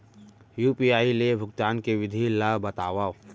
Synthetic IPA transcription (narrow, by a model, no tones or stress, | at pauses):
juːpiaːilebʱʊɡt̪aːnkeʋɪd̪ʱilabɐt̪aːʋaː